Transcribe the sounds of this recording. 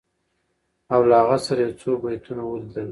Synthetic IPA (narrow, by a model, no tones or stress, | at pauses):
awlaaɣasaɾajawt͡sobajt̪unawəld̪əl